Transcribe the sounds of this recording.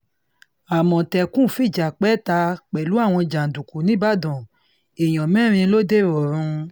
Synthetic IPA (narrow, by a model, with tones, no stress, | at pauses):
a˨mɔ̃˨tɛ˧kũ˦˨fi˦˨d͡ʒa˨k͡pɛ˦ta˧k͡pɛ˨lu˨˦a˦˨w̃ɔ̃˧d͡ʒa˨n̩˨dũ˨ku˨nĩ˨˦ba˦˨dɔ̃˨ | e˨j̃ɔ̃˨mɛ̃˦˨ɾ̃ĩ˧lo˦de˦˨ɾɔ˨ɾ̃ũ˧